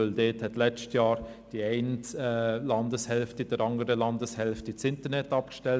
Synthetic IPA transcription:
øldeːthɛtlɛt͡stjɑːɾ | d̥iɛɪntːlɑndəshɛlftid̥əɾɑŋəɾəlɑndəshɛlftit͡sɪntəɾnɛtɑp̚kʃtɛl

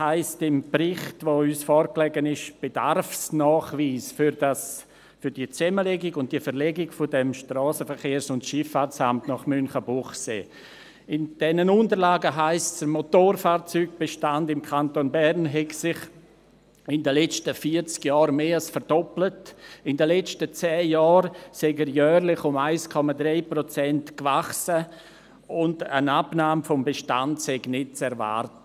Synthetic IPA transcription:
haɪstɪmprɪχtvoyːsfɔːɾklɛɡənɪʃb̥ed̥a̰rfsnɔːχviːsfɾdas | fʏɾd̥iət͡sɛməlɛɡɪɡʊnt̚d̥iəfəɾlɛɡɪkfɔdɛmʃtrɑːsəfəɾχeːɾsʊntʃɪfaːt͡samtnɔχmynχəbuχsḛː | ɪnd̥ɛnənʊntəɾlaːɡəɦaɪst͡sd̥əɾmotoːɾfaːɾt͡syːɡ̚b̥eʃtandɪmkʰantonbɛrnɦɛɡsɪχ | ɪndəlɛt͡ʃtəfiəɾt͡skjɔːɾmeːalsfəɾd̥ɔplətɪndəlɛt͡ʃtət͡sɛːjɔːɾsɛɡəɾjœːɾlɪχʊmaɪskʰɔmadɾeɪpɾot͡sɛntkvaχsə | ʊndə̰nabnaːmfɔmbeʃtantsɛɡnɪt̚t͡sɛɾva̰ːɾtə

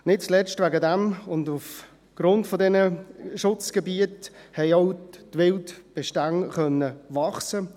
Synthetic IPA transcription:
nɪt̚t͡slɛt͡ʃtʋaɡədɛmʊnduf | ɡ̥ɾʊntfɔdɛnəʃʊt͡sɡ̥ɛbiəthɛɪoʊtʋɪltb̥ɛʃtaŋχœnːəvɑχsə

